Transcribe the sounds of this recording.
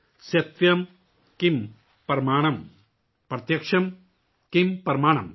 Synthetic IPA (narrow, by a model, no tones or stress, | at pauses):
sɐt̪ʋjɐm | kim | pɐɾɐmaːɳ̃ɐm | pɾɐt̪jɐkʂɐm | kimpɐɾmaːɳ̃ɐm